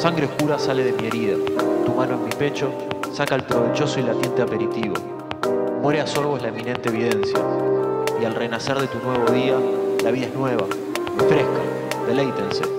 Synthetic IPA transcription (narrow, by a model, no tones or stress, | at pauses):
saŋɡɾeohkuɾasale̞ðe̞mie̞ɾiðat̪umanoenːipe̞t͡ʃo̞ | sakaelpɾo̞βet͡ʃo̞soilat̪je̞nt̪eape̞ɾit̪iβo̞̰ | mwe̞ɾeaso̞ɾβoelaemĩnẽ̞nt̪eːβ̞ið̞e̞nsja̰ | ialre̞nase̞ɾðe̞t̪unwe̞βo̞ð̞ialaβiðaeɦnwe̞βa̰ | ifɾehka | ðe̞lejt̪ense